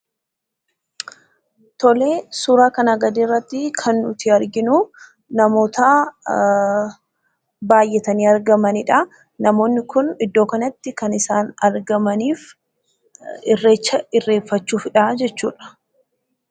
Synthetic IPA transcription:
t̪ɔle̞ːsuːɾaːkɐnɐɡɐd̪iːrːɐt̪ːɪkʰɐnːʊt̪ɪɐɾɡɪnʊ | nɐmo̞ːt̪a | baːjːɛt̪ɐniːɐɾɡɐmɐnɪᶑɐ | nɐmo̞ːnːɪkʊnɪd̪ːo̞ːkɐnɐt̪ːɪkɐnɪsaːnɐɾɡɐmɐniːf | rːet͡ʃːɐɪrːe̞ːfːɐt͡ʃːuːfɪᶑad͡ʒɛt͡ʃːṵːᶑɐ̥

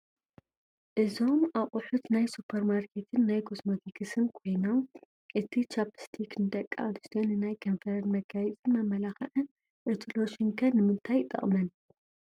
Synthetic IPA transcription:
ʔɨzo̞mʔaχʼʊħut̪najsupʰːɐɾmaɾkʰe̞t̪ʰɨnːajkʰosmot̪ʰikʰɨsɨnkʰo̞jnom | ʔɨt̪ʰit͡ʃʰapst̪ʰiknɨd̪ɐkʼːaad̪ist̪ʰonːɨnajkʰɐnfɐɾɐnmɐɡajɛt͡sʼɨnmɐmːɐlaxɐʔɨn | ʔɨt̪ʰilo̞ʃiŋkʰɐnɨmɨnt̪ʰajt̪ʼɐ̰χʼmɐn

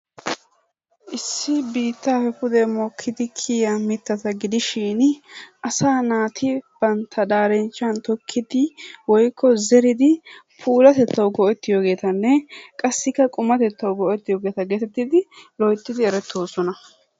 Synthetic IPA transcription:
ʔɪsːɪbiːt̪ːaːfɛfʊd̪ɛmɔkʰːɪd̪ɪkʰiːjɐmɪt̪ːɐt̪ɐɡɪd̪ɪʃɪnʔɐsaːnaːt̪ʰɪb̥ɐnt̪ʰːɐd̪aːɾɛnt͡ʃːɐnt̪ɔkʰːɪd̪ɪwɔjkʰːɔzɛɾɪd̪ɪpʰuːlɐt̪ɛt̪ːɐwɡɔʔɛt̪ːɪjoːɡe̞ːt̪ɐnːɛkʼɐsːɪkːɐkʼʊmɐt̪ɛt̪ːɐwɡɔʔɛt̪ːɪjoːɡeːt̪ɐɡɛt̪ɛt̪ːɪd̪ɪlɔjt̪ːɪd̪ɪɛɾɛt̪ʰːoːsɔnɐ

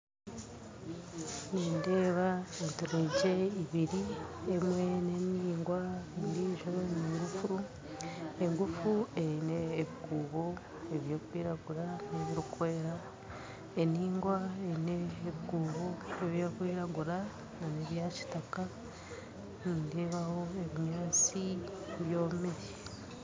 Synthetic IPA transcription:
niːndeːβaeteɾeɟe̞iβiɾiemwe̞neniːŋɡwandiːʒoɾoniiɾufuɾu | eŋɡufueineːβikuːβo | eβjoːkwiːɾaɡuɾaneβiɾukwe̞ːɾa | eniːŋɡwaeneːβikuːβo̞eβjakwiːɾaɡuɾa | naneβjaːci̥taka | nindeβaho̞eβiɲaːt͡siβjo̞ːmeɾe

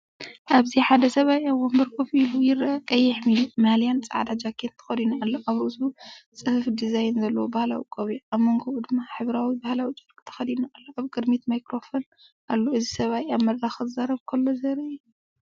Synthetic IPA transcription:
ʔaβziħad̪ɐsɐβajʔaβwombɐɾkʰofiljɪɾɐkʼɐjːɛħmilumalijant͡sʼɐ̰ʕa̰d̪ad͡ʒakʰent̪ʰɨ̥xɐd̪inualːoʔaβɾɨʔsut͡sʼɨhɨfd̪izajnzɐlːɐwobahla̰wḭkʼoβiʔaβmo̞ŋɡod̪ɨmːaħɨβɾawibahlawit͡ʃʼɨɾkʼt̪ʰɐ̥xɐd̪inuʔalːoʔaβkʼɨd̪mit̪majkɾo̞fon | ʔalːoɨzisɐβajamɐd̪ɾaxɨɨzaɾɐβkʰɐlːozɐɾɐʔɛ

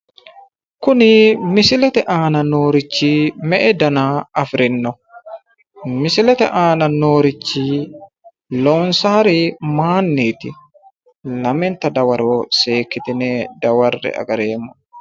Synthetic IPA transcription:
kʊnɪmɪsɪlɛt̪ɛʔaːnɐnoːɾɪt͡ʃːimɛʔɛd̪ɐnaːɐfɾɪnːɔ | mɪsɪlɛt̪ɛ̰ʔaːnɐnoːɾɪt͡ʃːiː | loːnsaːɾɪmaːnːiːt̪ɪ | lɐmɛnt̪ɐd̪ɐwɐɾoːseːkːɪt̪ɪnɛd̪ɐwɐrːɛ̰ɐ̰ɡɐɾeːmɔ

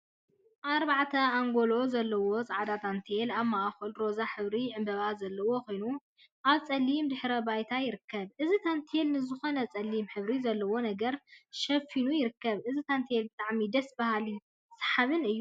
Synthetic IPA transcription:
ʔaɾbaʕt̪ʰɐaŋɡo̞lo̞zɐlːɐwo̞sʼaʕad̪at̪ʰant̪ʰelaβmaʔxɨlɾo̞zaħɨβɾiʕɨmbɐβazɐlːɐwo̞ko̞jnu | ʔaβt͡sʼɐlːimd̪ɨħɾɐbajt̪ʰajɪɾɨkʰːɐβʔɨzit̪ʰant̪ʰelnɨzɨxo̞nɐt͡sʼɐlːimħɨβɾizɐlːɐwo̞nɐɡɐɾʃɐfinujɪɾɨkːɐβʔɨzit̪ʰant̪ʰjelbɨt̪ʼaʕmid̪ɐsbahali | sḁħaβɨnɨjːu

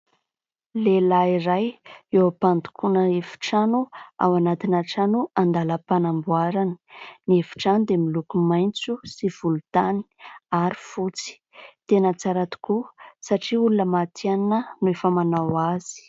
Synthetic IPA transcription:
lelaiɾajewapand̪u̥kʰunəefi̥ʈ͡ʂanua̰wanat̪inaʈ͡ʂanuand̪aləpanambuaɾanə̥niefi̥ʈ͡ʂanud̪emilukumajnt͡susiv̥ulut̪ani̥aɾi̥fut͡si̥ | t̪enət͡saɾat̪u̥kusaʈ͡ʂiulunəmat̪ʰiannənuefəmanawaz̥i̥

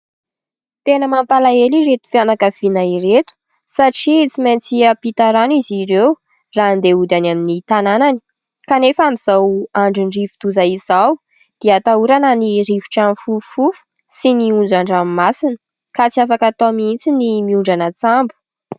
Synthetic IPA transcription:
t̪enəmampalaeliɾet̪u̥fianakəv̥inairet̪u̥ | saʈ͡ʂit͡simant͡siəpit̪aɾanuiziɾew | rand̪eud̪anaminit̪ananani̥ | kanefəamiz̥awaɳɖ͡ʐiɳrivid̪̥uzaiz̥aw | d̪̥eat̪auɾanəniɾivi̥ʈ͡ʂamifufufu̥ | siniund͡ʒaɳɖ͡ʐammasinə̥ | kat͡siafakat̪omint͡sinimiuɳɖ͡ʐanət͡sambu̥

